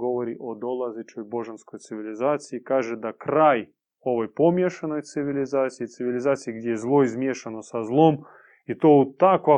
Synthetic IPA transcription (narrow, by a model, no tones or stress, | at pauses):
ɡovɐɾʲiʔod̪olˠazɪt͡ʃojboʐɨnskojt̪sɨvʲɪlʲɪzat̪sɨikaʐɨd̪ɐkɾaj | ovəjpomʲeʂənojt̪sɨvʲɪlʲɪzat̪sɨit̪sɨvʲɪlʲɪzat̪sɨiɡdʲezlˠoizmʲeʂənosɐzlˠom | it̪oʊt̪ːakvɐ